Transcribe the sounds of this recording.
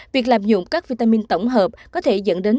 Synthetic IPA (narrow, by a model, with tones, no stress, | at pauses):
vi˨˩ək̚laː˨˩mzʊ̰˧˥˨ŋ͡mkaː˦˥k̚vi˧t̪aː˧mi˧nt̪ə˧˩wŋ͡mɦəː˨˩p̚kɔ˨˦t̪ʰe˧˩zə̰˧˥˨nɗe˨˦n